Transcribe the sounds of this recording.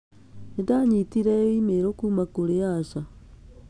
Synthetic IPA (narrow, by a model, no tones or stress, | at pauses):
nedaɲitiɾɛimeɾokuːmakoɾeasa